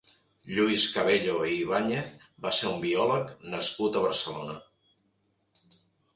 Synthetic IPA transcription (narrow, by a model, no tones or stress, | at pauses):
ʎuiskəβ̞eʎoiβ̞aɲeθ | baseumbiɔləknəskut̪əβəɾsəlonə